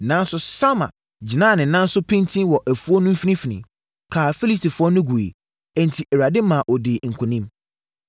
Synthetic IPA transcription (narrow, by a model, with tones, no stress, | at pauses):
nã˦n˦sʊ˦sa˦mã̰˨ | d͡ʑi˨nã˦˨nɪ̃˨nã˦n̩˦sʊ˦pʰɪ̃˦ntʰĩ˦wɔ˨ʔæ˨fu˦ɔ˦nʊ̃˦m̩˦fi˦nĩ˦fi˨nḭ̃˨m | kʰaː˨fi˦li˦stʰi˨fʊ˦ɔ˦nʊ̃˦ɡu˨ḛ˨ | ɛ˦n˨tʰi˨ʔɛ˨ɾa˨dɪ̃˦mã˨ʔɔ˨dɪ˨ŋ̩˨kʰɔ˨nĩ˦m